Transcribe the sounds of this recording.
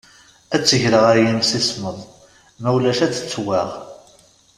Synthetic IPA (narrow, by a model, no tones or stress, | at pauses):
æt͡sːəʝɾəʁæjinsisməðˤ | mæwlæʃæt͡sːə̥t͡sːwæʁ